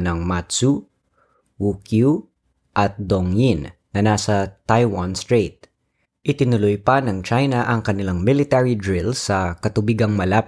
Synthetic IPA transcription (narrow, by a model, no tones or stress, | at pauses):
nɐŋmat̪su | wukju | ʔɐt̪̚d̪oŋjinnɐnasɐt̪ajwanst̪ɹejt̪̚ | ʔɪt̪ɪnʊlʊjpɐnɐŋt͡ʃajnɐʔɐŋkɐnɪlaŋmɪlɪt̪ɛɹid̪ɹɪlsɐkɐt̪ʊbiɡɐŋmɐlap